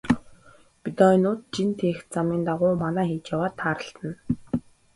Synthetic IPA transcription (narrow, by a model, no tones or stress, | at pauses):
pit̪ɔnʊːt̪̚t͡ɕint̪ʰeːxt͡samiːnt̪aʁʊːmanæːxiːt͡ɕjawaːt̪ʰːaːɾə̆ɬt̪ə̆n